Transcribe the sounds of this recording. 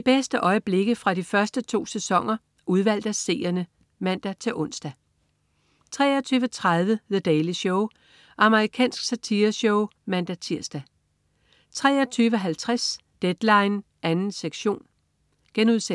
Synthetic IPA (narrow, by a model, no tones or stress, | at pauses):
ib̥esd̥əʔɒ̽ɪəb̥le̝ɡ̥əfʁɑ̈difɶɐsd̥ət͡sʰo̝̰ːsesɒ̽ŋ̰ɐ | ʔuð̞ˠʋæl̰d̥æse̝̰ːɐnə | mæn̰d̥æt͡sʰe̝ʔɔ̽n̰sd̥æ | t͡sʰʁɛ̰ːɐt͡sʰyːʋət͡sʰʁaðˠʋəðəd̥ɛɪliɕɔʊ | ʔɑ̈məʁikʰɛ̰ːnsɡ̥sæt͡sʰiːɐɕɔʊmænd̥æt͡sʰiɐ̰sd̥æ | t͡sʰʁɛ̰ːɐt͡sʰyːʋəɦælt͡sʰʁas | d̥ed̥lɑ̈ɪn | ʔænn̩seɡ̥ɕo̝̰ːn | ɡ̥enuðˠse